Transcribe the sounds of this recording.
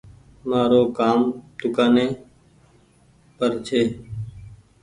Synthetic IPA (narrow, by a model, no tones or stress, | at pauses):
maːɾoːkaːmt̪ʊkaːneː | pəɾt͡ʃʰeː